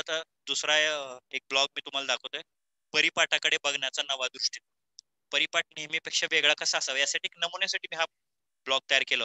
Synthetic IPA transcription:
at̪a | d̪usɾajek̚blɔɡ̚miːt̪um̤alad̪akʰəwt̪oe | pəɾipaʈakəɽebəɡʱɳat͡sanəʋad̪uʂʈi | pəɾipaʈ̚nimiːpekʂaʋeɡɭakəsaːsaʋjasaʈiːknəmunjasaʈiːmiːɦa | blɔɡ̚t̪əjaɾkeləː

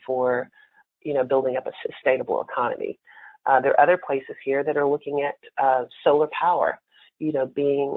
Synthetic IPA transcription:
fə˞ | jɨñoʊbɪlˠdɪ̃ŋʌpəsɨstẽɪ̃nəbl̩ˠə̰kʰɑnɨ̰mʔḭ | ʔðə˞ʔʌðə˞pʰl̥eɪsɨz̥hiɹðɨɾə˞lʊkɪ̃ŋɨt̚soʊlˠə˞pʰaʊə̰˞ | jɨnoʊbiɪ̃ŋ

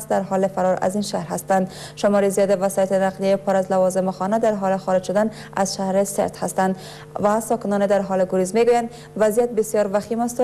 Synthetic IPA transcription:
sd̪aɾɦɒlefaɾɒɾa̰zinʃahɾhast̪and̪ | ʃʊmɒɾizijɒd̪evasjat̪enaqlijjipʊɾazlavɒzɪmʊxɒnad̪aɾɦɒlexɒɾɪd͡ʒʃʊd̪an | azʃahɾesḛɾt̪hast̪and̪ | vasɒkɪnɒned̪aɾɦɒleɡuɾizmeɡujand̪ | vazijat̪̚bɪsjɒɾvaximast̪o

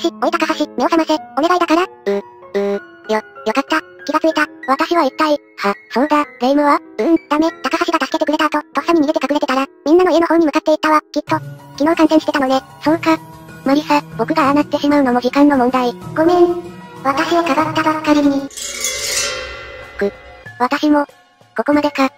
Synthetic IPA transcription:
ɕioit̪akahaɕimʲe̞osamaseo̞ne̞ɡaid̪akaɾaɯ̟̃ | ɯ̟ | jojo̞kat̪ːa | kʲiɡat͡sɨit̪aβat̪aɕiβaitpːai | hasõ̞nɡ̪aɡeimɯ̟βaɯ̟̃d̪ame̞t̪akahaɕiɡat̪asɨ̥ke̞t̪e̞kɯɾe̞t̪at̪o̞t̪ok̟saɲ̟im̟iɡet̪ekakɯ̟ɾe̞t̪e̞t̪aɾamʲĩnːanoienohõ̞ɲ̟imɯ̟kat̪ːe̞it̪ːaβakʲit̪ːo̞kʲino̞ːkãɰ̃sẽɕi̥t̪eano̞ne̞sokamaɾʲisab̥o̞kɯ̟ɡaɾanai̥t̪eɕimaɯ̟no̞mo̞ʑikãnːo̞mõnd̪aiɡ̥o̞nẽ̞nβat̪aɕio̞kaɡat̪ːabakːaɾʲiiɲ̟i | kɯ̟βat̪aɕimo̞ | koko̞mad̪e̞ka

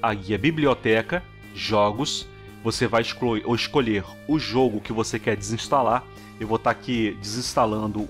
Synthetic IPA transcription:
aɡiɐbibliot̪ɛkɐ | ʒɔɡʊs | vosevajɪʃkoʔɪskoʎeɾ | ʊʒoɡʊkɪvosekɛɾd͡ʒɪzĩst̪ala | ewvot̪aɾakid͡ʒɪzĩst̪alɐ̃nd̪ʊ

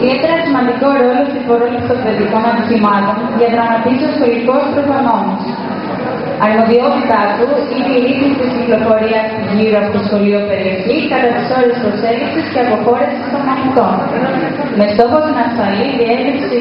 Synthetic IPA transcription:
iðie̞t̪e̞ɾɐsimɐnd̪iko̞ɾo̞lost̪ipoɾoliksopeðiko̞nɐnt̪iθimɐt̪o̞nʝɐt̪ɾɐmɐt̪isiostoliko̞spɾoɣɐno̞mos | ɐɾmo̞ðio̞t̪it̪ɐt̪uineiɾisist̪izɟiklo̞fo̞ɾiɐs | liɾoɐpot̪osxo̞lio̞pe̞ɾie̞çikɐt̪ɐt̪i̥so̞ɾe̞spɾo̞se̞ɡisisceɐpo̞xo̞ɾesisovɣɐnist̪o̞n | me̞st̪o̞xo̞sinɐsfɐliðie̞lipsi

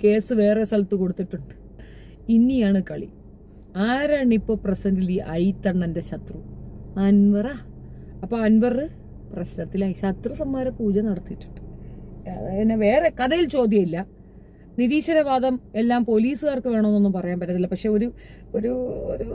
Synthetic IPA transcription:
ke̞ːsɨʋe̞ːresɐɭt̪ːuko̞ɽut̪ːiʈːuɳɖɨ | inːijaːɳɨkɐɭḭ | aːɾaːɳipːo̞ːprɐsɐndiliːʔɐjt̪ːɐɳt̪ɐndeɕɐt̪ruɐnʋɐraː | ɐpːoːɐnʋɐrɨ | prɐɕnɐt̪ːilaːiɕɐt̪rɨsɐmːaːɾɐpuːd͡ʑɐnɐɽɐt̪ːiiʈːu̥ɳɖɨ̥ɐenːeʋe̞ːre̞kɐðɐjilt͡ɕo̞ːd̪jɐilːɐ | niðiːɕɐɾɐʋaːd̪ɐme̞lːaːmpo̞liːsɨɣaːrkɨʋeːɳɐmenːonːumpɐrɐjaːmpɐtːɐt̪ːilːɐpɐkʂe̞o̞ɾu | oɾuo̰ɾu

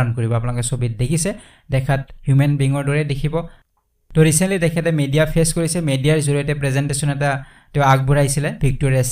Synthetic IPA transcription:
ɔnkoɹibɔap̬unakɛsobit̚dekʰisɛ | dɛkʰat̚hjumɛnbiŋɔɹdɔɹɛdekʰibɔ | tɔɹisɛnlidɛkʰɛtɛmedijapʰeskoɹisɛmedijaɹzuɹɔjɔtɛpɹɛzɛntesɔnɛta | tɛ̃ak̚buɹajsilɛbʱik̚toɹias

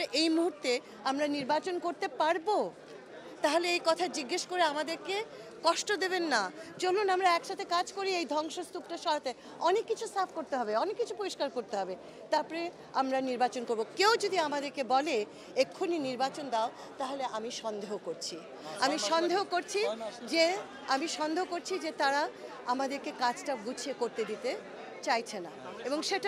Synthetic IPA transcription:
eʔejmuɦuɾt̪e | amɾaniɾbat͡ɕonkoɾt̪epaɾbo | t̪aɦoleejkɔt̪ʰad͡ʑiɡːeʃkoɾeamad̪eɾkekɔʃʈod̪eβenːad͡ʑolːunamɾaɛkʃat̪ʰekad͡ʑkoɾiejd̪ʱɔŋʃost̪up̚ʈaʃɔɾot̪e | ɔnekːit͡ɕʰusapʰkoɾt̪eɦɔbeɔnekːit͡ɕʰupoɾiʃkaɾkoɾt̪eɦɔbe | t̪apɔɾe | amɾaniɾbat͡ɕonkoɾbokewd͡ʑod̪ʱiamad̪eɾkebɔle | ekʰːuniniɾbat͡ɕond̪ao | t̪aɦoleʔamiʃɔnd̪eɦokoɾt͡ɕʰi | amiʃɔnd̪eɦokoɾt͡ɕʰid͡ʑe | amiʃɔnd̪ʱeɦokoɾt͡ɕʰid͡ʑet̪aɾa | amad̪eɾkekad͡ʑʈabut͡ɕʰiekoɾt̪ed̪it̪e | t͡ɕajt͡ɕʰena̰eboŋʃeʈa

